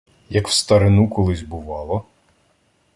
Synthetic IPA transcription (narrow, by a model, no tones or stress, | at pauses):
jɐkw̥st̪ɐɾɪnukɔlˠɪzʲbʊʋɑlˠɔ